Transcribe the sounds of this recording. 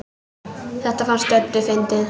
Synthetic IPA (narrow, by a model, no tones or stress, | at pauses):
θɛht̪afanst̪œt̪ːɪfɪnt̪ɪð